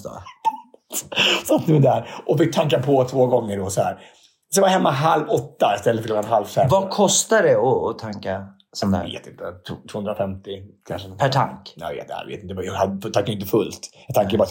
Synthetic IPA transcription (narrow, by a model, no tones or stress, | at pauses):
t̪ | sat̪ʰːd̪æɾʔɔfɪk̚t̪ʰaŋk̬apʰɔt̪ʰvoːɡɔŋːəɖɔsɔhæ̰ːɾ | sjavaɦɛmːaɦalvɔt̪ːaɪst̪ɛlːəfœɾoɡ̪anɦalvsɛvakʰɔst̪adɛɔɔt̪ʰaŋka | sɔm̰vḛːt̪ɪnt̪ət̪ʰːt̪ʰvoːhɵnɾafɛmt̪ɪkʰa̰nʂəpʰæʈʰa̰ŋknɛjvḛːt̪a̰j̰vḛːt̪ɪnt̪əjɑɡhad̪t̪ʰaŋkːaɾjʏɪnt̪əfɵlt̪jɑt̪aŋkaɾpbɑa